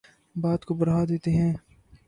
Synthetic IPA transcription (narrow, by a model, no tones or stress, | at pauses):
baːd̪kobɐɾɦaːd̪eːt̪eɦɛ̃ː